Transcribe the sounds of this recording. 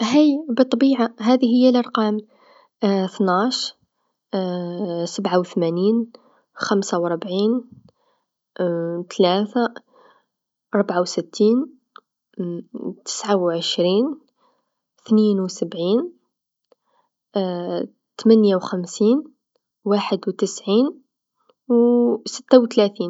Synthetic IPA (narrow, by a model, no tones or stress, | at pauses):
ɦæjbət̪ˤːɑbiʕaɦæd̪iɦəjːalʔɑɾˤqɑːm | t̪næʃ | səbʕawt̪mæniːn | xæmsawɾˤbʕiːn | t̪læt̪a | ɾˤobʕawsət̪ːiːn | t̪ə̥sʕawʕəʃɾin | t̪ninwsəbʕiːn | t̪mænjawxæmsiːn | waħəd̪wt̪əsʕiːn | wsə̥t̪ːawt̪læt̪iːn